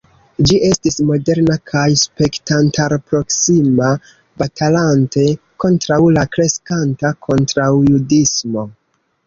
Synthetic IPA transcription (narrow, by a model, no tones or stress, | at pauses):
d͡ʒiʔe̞stismo̞de̞ɾnakʰajspe̞ktantaɾpɾo̞ksima | batalante̞ | ko̞ntɾawlakɾe̞skantakʰo̞ntɾawjudismo̞